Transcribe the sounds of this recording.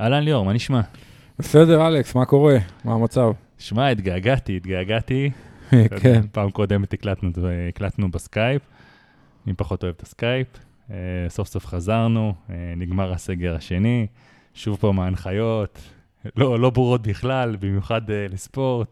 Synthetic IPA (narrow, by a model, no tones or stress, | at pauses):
alanlioʁmaniʃma | besedeʁaleksmako̞ʁemamat͡sav | ʃmait̪ɡaːɡat̪iːt̪ɡaɡat̪i | paːmkod̪emt̪iklat̪nuiklat̪nubeskajp | impaχo̞t̪o̞e̞vet̪askajp | eso̞fso̞fχazaʁnueniɡmaʁase̞ɡe̞ʁaʃe̞ni | ʃuvpomeanχajo̞t̪ | lolo̞buʁo̞t̪̚biχlalbimjuχad̪lespo̞ʁt̪̚